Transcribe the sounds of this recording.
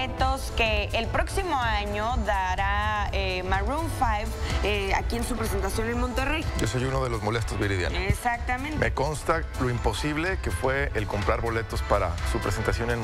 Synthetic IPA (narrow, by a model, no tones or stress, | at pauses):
et̪o̞skeːlpɾo̞ksimoaɲo̞ðaɾaemaɣuɱfajβea̰kie̞nsupɾese̞nt̪asjo̞nenmo̞nt̪erejɟ͡ʝoso̞junoðelozmo̞lest̪ozβiɾiðja̰nesak̚t̪amenmʔeko̞nst̪a | lo̞impo̞siβlekefwe̞elko̞mpɾaɾβo̞le̞t̪o̞spaɾa̰supɾes̬e̞nt̪asjo̞nen